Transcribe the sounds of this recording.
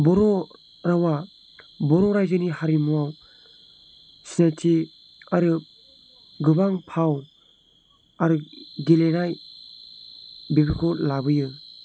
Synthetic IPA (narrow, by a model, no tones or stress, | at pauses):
bɔɾɔ | ɾawa | bɔɾɔɾajzɯnihaɾimuaw | setʰi | aɾɯ | ɡɯbaŋpʰaw | aɾɯɡilenaj | bebikʰɔlabɯjɯ